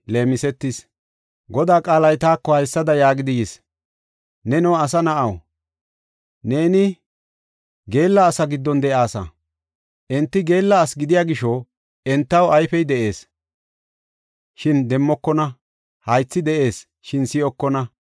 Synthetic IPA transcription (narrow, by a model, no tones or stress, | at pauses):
le̞ːmɪsɛt̪ːɪs | ɡɔd̪aːkʼaːlɐjt̪aːkːɔhɐjsːɐd̪ɐjaːɡɪd̪ɪjɛs | nɛnɛwɐsɐnɐʔɐw | ne̞ːnɪ | ɡe̞ːlːɐːsɐɡɪd̪ːɔnd̪ɛʔaːsɐ̰ | ʔɛnt̪ːɪɡe̞ːlːɐːsɡɪd̪ɪjaːɡɪʃɔ | ɛnt̪ːɐwɐjfɛjd̪ɛʔe̞ːs | ʃɪnd̪ɛmːɔkːɔnɐ | hɐjt͡sːɪd̪ɛʔe̞ːs | ʃɪnsɪɔkːɔnɐ